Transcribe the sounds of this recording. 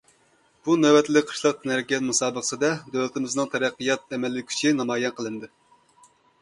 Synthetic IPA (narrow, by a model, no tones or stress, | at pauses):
b̥unɛwɛt̪ʰlɪk̚ʲqʰə̥ʃlˠɑq̪næɾɡʲɛt̪musɑːbəχə̥sɨd̪ɛd̪øwlɪt̪ɪmɪznɨŋt̪ʰɛɾɛqːijɑt̪̚ɛmɛlːɪkʲʰy̥t͡ʃʰinɑmɑːjɛnqʰəlˠɨnd̪ɨ